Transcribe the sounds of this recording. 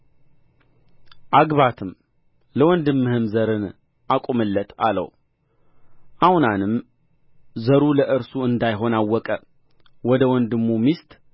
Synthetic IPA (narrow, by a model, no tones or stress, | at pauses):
ʔaɡβat̪ʰɨm | ləwɔnd̪ɨmːɨhɨmzəɾɨn | ʔakʷʼumɨlːət̪ʰalə̰w | ʔahnanɨm | zəɾuləʔɨɾsuɨnd̪ajɦo̞nawːɔkʼə | wɔd̪əwɔnd̪ɨmːumist̪ʼ